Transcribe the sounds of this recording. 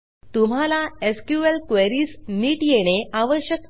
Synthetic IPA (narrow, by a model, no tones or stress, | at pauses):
t̪um̤alaeskjuelkʋeɾiːsniːʈjeɽ̃eaʋəɕjək